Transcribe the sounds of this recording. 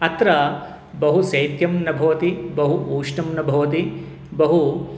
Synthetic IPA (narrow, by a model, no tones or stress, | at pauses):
ɐt̪ɾɐ | bɐɦusɐjt̪jɐmnɐbʱɐʋɐt̪ibɐɦuʔuːʂnɐmnɐbʱɐʋɐt̪i | bɐɦu